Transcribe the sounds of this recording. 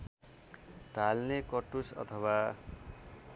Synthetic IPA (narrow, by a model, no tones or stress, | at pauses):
ʈalnekʌʈusʌ̰t̪ʰʌwa